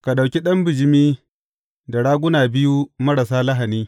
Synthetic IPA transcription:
ka˨ɗa˨wkʲi˦ɗɐ˦mbɪ˨d͡ʒɪ˦miː˦ | da˨ɽaː˦ɡʷʊ˦naː˨bɪ˦ju˦mɐ˦ɾa˨saː˦lɐ˦ɦa˨niː˦

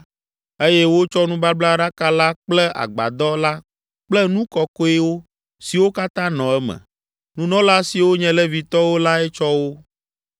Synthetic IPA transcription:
e˦jɛ˦wo˦t͡ʃɔ˦nũ˦ba˦bla˦ɖa˦ka˦la˦k͡plɛ˦ʔa̰˨ɡ͡ba̰˨d̪ɔ˦la˦ | k͡plɛ˦nũ˦kɔ˦kɔ˦ɛ˦wo˦ | si˨wo˦ka˦t̪ã˦nɔ̃˨ɛ˦mɛ̰̃˨ | nũ˦nɔ̃˦la˦si˨wo˦ɲɛ̃˨lɛ˦vi˨t̪ɔ˦wo˦la˦ɛ˦t͡ʃɔ˦wo˦

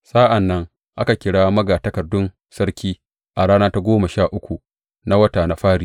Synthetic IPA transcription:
saː˦ʔa˨nːɐ˦ŋ | ʔa˦ka˨kʲɪ˨ɽaː˦mɐ˦ɡaː˨tɐ˦kɐ˨rdʊ˦n | sɐ˦ɾkʲiː˦ | ʔa˨ɽaː˦naː˦ta˦ɡʷoː˦ma˨ʃaː˦˨ʔʊ˦kʷu˨ | na˦wɐ˦taː˨na˨ɸaː˦ɽiː˨

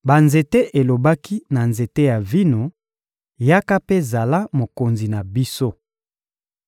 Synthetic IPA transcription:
ba˨nze˨te˦ʔe˨lo˨ba˦ki˦na˨nze˨te˦ja˨vi˦no˨ | ja˦ka˦pe˦za˨la˦mo˨ko˨nzi˨na˨bi˦so˦

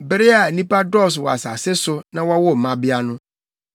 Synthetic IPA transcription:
bɪ˦ɾɪ˦a˨nĩ˦pa˦dɔ˦˨s̬wɔ˨a̰˨sa̰˨sɪ˦sʊ˦nã˦wa˦wɔ˦˨mã˦bɪ˦a˦nʊ̃˦

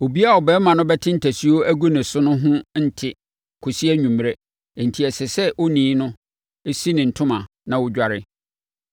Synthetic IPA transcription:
o˨bi˦a˦˨ɔ˨bɛː˨˦mã˨nʊ̃˦bɛ˦tʰɪ̃˦n̩˦tʰæ˨si˦o˦æ˦ɡo˦nɪ̃˨sʊ˦nʊ̃˦ɦʊ̃˦n̩˦tʰɪ˨ | kʰʊ˨si˦æ˦ɲũ˨m˨ɾe˦˨ | n̩˨tʰi˨ɛ˨sɛ˨sɛ˦ʔo˦nĩː˨˦nʊ̃˦ | e˦si˦nɪ̃˨n̩˨tʰʊ̃˦mã˨ | nã˨wʊ˦d͡ʑᶣa˨ɾɪ˦

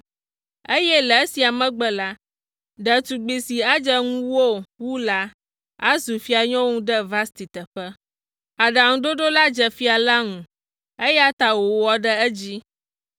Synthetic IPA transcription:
e˦jɛ˦lɛ˨˦si˨a˨mɛ̃˦ɡ͡bɛ˨la˦ | ɖə˨t̪u˨ɡ͡bi˨si˨a˦d͡ʒɛ˦ŋũ˦wo˦˨wu˦la˦ | a˦zu˨fi˦a˨ɲɔ̃˦wŋũ˦ɖə˦va˦st̪i˨t̪ə˨ɸə˦ | a˨ɖa˨ŋũ˨ɖo˦ɖo˦la˦d͡ʒɛ˨fi˦a˨la˦ŋũ˨ | e˦jɛ˦a˦t̪a˨wo˨ɔ˨ɖə˦ɛ˦d͡ʑi˦

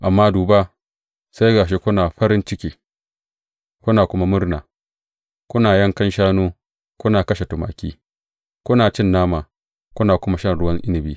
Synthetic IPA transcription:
ʔa˨mːaː˦duː˨ba˦ | sa˦jɡaː˨ʃ̬e˦kʷʊ˦naː˨ɸɐ˦ɾɪ˦nt͡ʃɪ˦kʲiː˦ | kʷʊ˦naː˨kʷʊ˦ma˦mʊ˦rna̰ː˨ | kʷʊ˦naː˨jɐ˦ŋkɐ˦nʃaː˦noː˦ | kʷʊ˦naː˨kɐ˦ʃe˨tʊ˨ma̰ː˨kʲḭː˦ | kʷʊ˦naː˨t͡ʃɪ˦nːaː˦maː˨ | kʷʊ˦naː˨kʷʊ˦ma˦ʃɐ˦˨nɽʊ˦wɐ˦ŋʔɪ˦nɪ˨bḭː˦

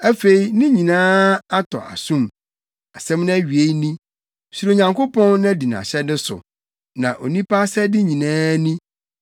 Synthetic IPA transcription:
æ˦fe˨i˨nɪ̃˦ɲĩ˨nãː˦a˦tʰɔ̰˨ʔa̰˨sũ˦m | a˨sɛ̃˦mñ˦æ˦ɥi˨e˦i˦nĩ˦ | su˨ɾo˨ɲã˨ŋko˦pʰɔ̃˦nñ˦di˨nã̰˨ɕɛ˦dɪ˦sʊ̰˨ | nã˨ʔo˨nĩ˦pʰa˦sɛ˦dɪ˦ɲĩ˨nãː˦nĩ˦

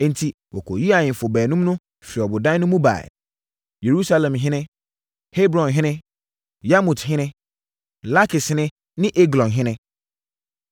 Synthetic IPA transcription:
n̩˨tʰi˨ | wɔ˨kʰo˨ji˦a˨ɲɪ̃˨fʊ˨bɛː˨nũ˦mnʊ̃˦ | fi˨ɔ˨bʊ˨dã˦nʊ̃˦mũ˦ba̰˨ɛ̰˨ | je˨ɾu˦sa˦lɛ̃˨mɦɪ̃˦nɪ̃˦ | he˦bɾɔ̃˨nɦɪ̃˦nɪ̃˦ | ja˦mũ˨tɦɪ̃˦nɪ̃˦ | la˦kʰɪ˨snɪ̃˦ | nɪ̃˦ʔe˦ɡlɔ̃˨nɦɪ̃˦nɪ̃˦

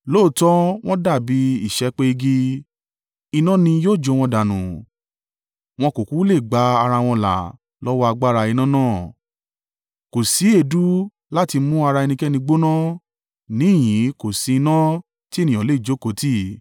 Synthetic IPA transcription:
lo˦˨tɔ˦w̃ɔ̃˦da˦˨bi˨˦i˦˨ʃɛ˨˦k͡pe˦i˧ɡi˧ | i˧nã˦nĩ˧joː˦˨d͡ʒo˨˧w̃ɔ̃˧da˨nṵ̃˨ | w̃ɔ̃˧ko˨ku˨˦le˦˨ɡ͡ba˨˦a˧ɾa˧w̃ɔ̃˧la̰˨ | lɔ˦wɔ˦a˧ɡ͡ba˦˧ɾa˧i˧nã˦nãː˦˨ | ko˨si˨˦e˦˧˨du˦ | la˦ti˧˦mũ˦a˧ɾa˧e˧nĩ˧kɛ˦nĩ˧ɡ͡bo˦nã˦ | nĩ˨˦˨j̃ĩ˨˦ko˨si˨˧i˧nã˦ | ti˦e˦˨nĩ˨ɔ̃˨le˦i˦˨d͡ʒo˨˦ko˨˦ti˦

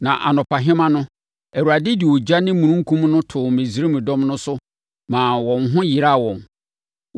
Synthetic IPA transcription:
nã˨ʔa̰˨nɔ̃˨pʰa˨ɦɪ̃˦mã˦nʊ̃˦ | æ˨ɾu˨a˨dɪ˦di˨wo˨d͡ʑa˦nɪ̃˦mũ˨ɾũ˦ŋ̩˦kʰũ˦mnʊ̃˦tʰʊ˨mɪ̃˨zi˦ɾe˦mɪ̃˨dɔ̃˦mnʊ̃˦sʊ˦ | mãː˨wɔ̃˨nɦʊ̃˦ji˨ɾa˦˨wɔ̃˨n

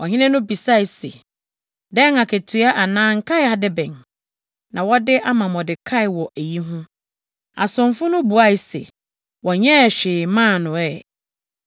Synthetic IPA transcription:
wɔ˨ɦɪ̃˦nɪ̃˦nʊ̃˦bi˨sa˦jsḛ˨ | dɛ̃˦ŋa˨kʰæ˨tʰɥa˦ʔa˨nãː˦ŋ̩˨kʰa˦ja˨dɪ˦bɛ̃˨n | nã˨wɔ˦dɪ˦ʔa˦mã˨mɔ˨dɪ˨kʰa˦ɪ˨wɔ˨ʔæ˨ji˦ɦʊ̃˦ | a̰˨sʊ̃˨mfʊ˦nʊ̃˦bu˨a˦˨sɛ̰˨ | wɔ˨ɲɛ̃˦˨ɕᶣɪː˨mãː˦˨nʊ̃˨ɛ˦˨

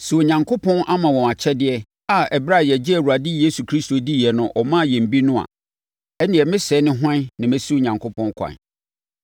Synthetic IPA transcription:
sɛ˨o˨ɲã˨ŋkʰo˦pʰɔ̃˦nʔa˦mã˨wɔ̃˨ma˨t͡ɕʰɛ˦dɪ˨˦ɛ˦ | a˦˨ɛ˨bɾa˦˨jɛ˨d͡ʑɪ˦æ˨ɾu˨a˨dɪ˦je˦su˨kʰɾi˦sto˨di˦jɛ˨nʊ̃˦ʔɔ˨mã˦˨jɛ̃˨m̩˨bi˦nʊ̃˦a̰˨ | ɛ˦nɪ̃˨ɛ˨mɪ̃˦sɛ˨˦nɪ̃˦ɦã˦nã˨mɪ̃˦su˦˨ɲã˨ŋkʰʊ˦pʰɔ̃˦nkʷʰa̰˨n˨

